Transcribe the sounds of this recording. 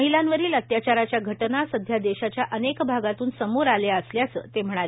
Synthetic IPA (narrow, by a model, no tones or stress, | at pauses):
əɦilãnʋəɾiːlət̪jat͡ɕaɾat͡ɕjaɡʱəʈnasəd̪ʱjad̪eɕat͡ɕjaʔənekbʱaɡat̪uːnsəmoɾaleəsljat͡sə̰t̪em̤əɽ̃a